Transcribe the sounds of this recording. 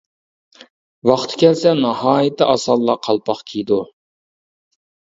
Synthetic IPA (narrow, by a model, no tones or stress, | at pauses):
wɑχt̪ʰɨ̥kʲʰɛlsɛnɑhɑːjɪt̪ʰːɪʔɑsɑlˠːɑqʰɑlˠpʰɑχkʲʰijd̪u